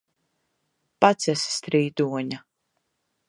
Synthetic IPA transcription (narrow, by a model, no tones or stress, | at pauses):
pat̪sʲɛsst̪ɾiːd̪uɔɲa